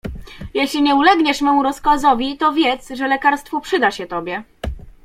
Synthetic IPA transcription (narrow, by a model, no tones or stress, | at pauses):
jɛɕlʲiɲɛulɛɡɲɛʂmɛmuɾɔskɔzɔvʲit̪ɔvʲjɛt̪sʐɛlɛkaɾst̪fɔpʂɘd̪aɕɛt̪ɔbʲjɛ